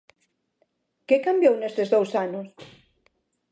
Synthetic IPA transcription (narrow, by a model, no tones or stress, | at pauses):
kekambjownest̪ezðowsanos